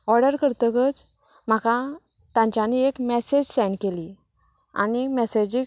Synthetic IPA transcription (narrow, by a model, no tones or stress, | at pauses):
ɔɾɖəɾkəɾt̪əkət͡s | m̤akã | t̪ãɲt͡ɕaniekmɛsed͡ʑsɛɳkeli | a̰nimɛsed͡ʑi